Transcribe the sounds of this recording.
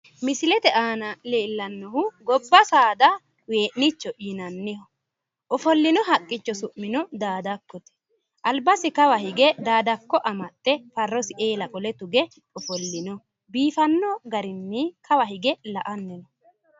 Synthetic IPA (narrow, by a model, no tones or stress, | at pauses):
mɪsɪlɛt̪ɛʔaːnɐleːlːɐnːɔhʊɡɔbːɐsaːd̪ɐ | weːʔnɪt͡ʃːɔʔɪnɐnːɪhɔ | ʔɔfɔlːɪnɔɦɐkʼːɪt͡ʃːɔsʊʔmːɪnɔd̪aːd̪ɐkːɔt̪ɛ̥ | ʔɐlbɐsɪkɐwɐhɪɡɛd̪aːd̪ɐkːɔʔɐmɐt̪ːɛfɐrːɔsɪʔeːlɐkʼɔlɛt̪ʊɡɛ | ɔfɔlːɪnɔ | biːfɐnːɔɡɐɾɪnːɪkʰɐwɐhɪɡɛlɐʔɐnːɛnɔ